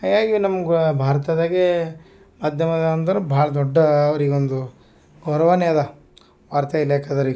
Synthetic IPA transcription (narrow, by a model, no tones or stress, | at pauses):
ɦaːɡaːɡinɐmɐɡubʱaːɾɐt̪ɐd̪aːɡe | mad̪ʱjɐmɐd̪ɐɐnt̪ɐɾubʱaːɭɐd̪ɔɖːɐːʋɐɾiɡeond̪u | ɡɐwɾɐʋaneːd̪ɐ | ʋaːɾt̪ɐileːkad̪ɐɾiɡ